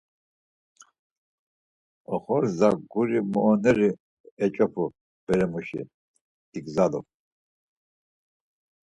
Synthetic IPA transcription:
ɔχɔɾzaɡuɾimɔːnɛɾi | ɛt͡ʃʼɔpʰu | b̥ɛɾɛmuʃḭ | d̪̥iɡzalɔ̰

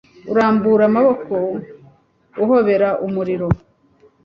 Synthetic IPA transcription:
uɾaːmbuɾamaβo̞ko̞ | uɦo̞βe̞ɾaʔumuɾiɾo̞

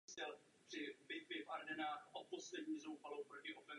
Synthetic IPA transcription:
sɛl | r̥ɪbɪt̪̚vɪvaɾdɛnaːxʔot̚poslɛdɲiːzowfalowpɾocɪʔofɛ

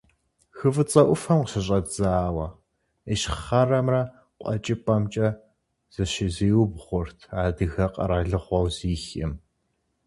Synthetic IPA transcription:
xɨvɨt͡sʼɐʔʷʊfɐmqəɕɐɕ̬ʼɐd͡zaːwɐ | eʃχɐrɐmrɐ | qʷʼɔ̰t͡ʃʼɪpʼɐmt͡ʃʼɐ | z̥ɨʃɪziːwʊbʁʷʊrtʰaːdɨɣɐqʼɐ̰ɾaːɮɨʁʷɔwziːxɪ̰m

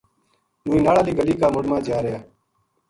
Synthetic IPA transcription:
nuːĩːnaːɽaːliːɡəliːkaːmʊɽmãːd͡ʒaːɾɪjaː

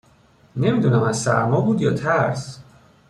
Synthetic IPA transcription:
ne̞miːd̪unæmænsæ̰ɾmɒːbuːd̪jɒːt̪ʰæɾs

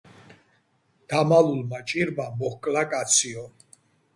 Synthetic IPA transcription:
d̪̥amalulmat͡ʃʼiɾbamɔhkʼlakʼat̪sʰiɔ

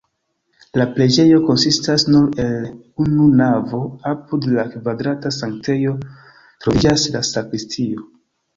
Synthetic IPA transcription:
laple̞d͡ʒe̞jo̞ko̞nsistasnuɾe̞l | ununavo̞apudlakvadɾatasaŋkte̞jo̞ | tɾovid͡ʒaslasakɾistʰio̞

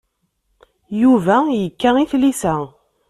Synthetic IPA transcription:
juvæjəkːæiθlisæ

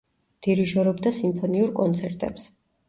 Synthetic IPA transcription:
d̪̥iɾiʒɔɾɔbd̪asimpʰɔniuɾkʼɔnt̪sʰɛɾt̪ʼɛ̰ps

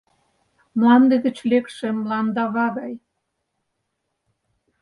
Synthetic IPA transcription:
mlɑnd̪ĕd̪ə̆t͡ɕlekʃĕmlɑnd̪ɑβɑɣɑj

